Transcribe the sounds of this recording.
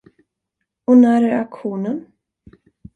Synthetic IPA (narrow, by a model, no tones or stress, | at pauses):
ɔnæːɾæɾakɧuːnən